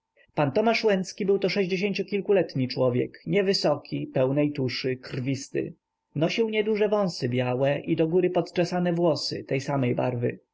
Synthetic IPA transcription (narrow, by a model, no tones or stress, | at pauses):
pant̪ɔmaʂwɛnt̪skʲibɘwt̪ɔʂɛʑd͡ʑeɕ̬eɲʲt͡ɕukʲilkulɛt̪ɲit͡ʂwɔvʲjɛ̰kɲɛvɘsɔkʲʰipɛwnɛjt̪uʂɘkrvʲist̪ɘ̰ | nɔɕiwɲɛd̪uʐɛvɔ̃w̃sɘbʲjawɛʔid̪ɔɡuɾɘpɔt̪t͡ʂɛsanɛvwɔsɘ̰t̪ɛjsamɛjba̰ɾvɘ̰